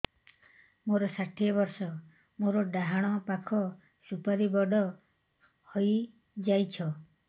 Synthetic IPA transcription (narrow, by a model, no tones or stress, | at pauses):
moɾɔsaʈʰiɔbɔɾsɔ | moɾɔɖaɦaɽ̃ɔpakʰɔ | supaɾibɔɖɔ | hoj | d͡ʒajt͡ʃʰɔ